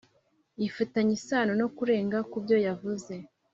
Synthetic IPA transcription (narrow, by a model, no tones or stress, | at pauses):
ifutaɲisaːnono̞kuɾe̞ːŋɡakubjo̞javuze̞